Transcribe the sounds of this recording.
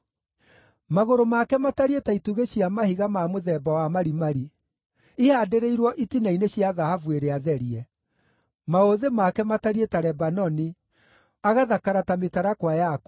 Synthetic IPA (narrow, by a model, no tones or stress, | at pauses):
maɣoɾomakɛmataɾietaituɣeɕiamahiɣamamoðɛbawamaɾimaɾi | ihadeɾeiɾwɔʔitinaineɕijaðahavueɾeaðɛɾiɛ | maoðemakɛmataɾietaɾɛbanɔni | aɣaðakaɾatametaɾakwajak